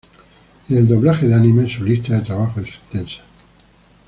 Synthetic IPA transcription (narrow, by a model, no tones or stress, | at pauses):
eneld̪o̞βlaxeðeanĩmaẽnsulist̪aðet̪ɾaβaxoesint̪ensḁ